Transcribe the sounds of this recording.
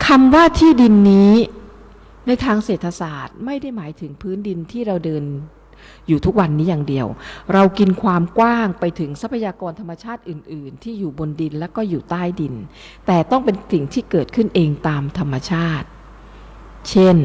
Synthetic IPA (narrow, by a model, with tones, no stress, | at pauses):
kʰa˧mwaː˥˩t̪ʰiː˥˩di˧nːiː˦˥ | na˧jt̪ʰaː˧ŋseː˨˩t̪ʰːa˧saː˨˩t̪̚ma˥˩jda˥˩jmaː˩˦jt̪ʰɯ˩˦ŋpʰɯː˦˥ndi˧nt̪ʰiː˥˩ɾa˧wdɤː˧n | juː˨˩t̪ʰu˦˥k̚wa˧nːiː˦˥jaː˨˩ŋdi˧əwɾa˧wki˧nkʰwaː˧mkwaː˥˩ŋpa˧jt̪ʰɯ˩˦ŋsa˦˥pʰːa˧jaː˧kɔː˧nt̪ʰa˧mːa˧t͡ɕʰaː˥˩t̪̚ʔɯː˨˩nʔɯː˨˩nt̪ʰiː˥˩juː˨˩bo˧ndi˧nlɛː˦˥wkɔː˥˩juː˨˩t̪aː˥˩jdi˧n | t̪ɛː˨˩t̪ɔ˥˩ŋpe˧nsi˨˩ŋt̪ʰiː˥˩kɤː˨˩t̪̚kʰɯ˥˩nʔeː˧ŋt̪aː˧mt̪ʰa˧mːa˧t͡ɕʰaː˥˩t̪̚ | t͡ɕʰe˥˩n